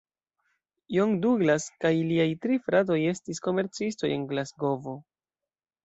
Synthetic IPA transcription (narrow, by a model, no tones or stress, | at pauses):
joŋduɡlaskajliajtɾifɾat̬o̞je̞stisko̞me̞ɾt͡sisto̞je̞nɡlasɡo̞vo̞